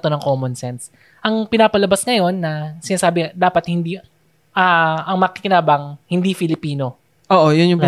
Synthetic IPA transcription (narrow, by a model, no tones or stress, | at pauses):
t̪onɐŋko̞ːmonsɛns | ʔɐŋpɪnaːpɐlɐbɐsŋɐjo̞nːɐsɪnaːsaːbɪd̪aːpɐt̪̚hɪnd̪i | ʔaʔɐŋmɐkɪkɪnaːbɐŋhɪnd̪ifɪlɪpiːno̞ | ʔoːʔojʊnjʊŋp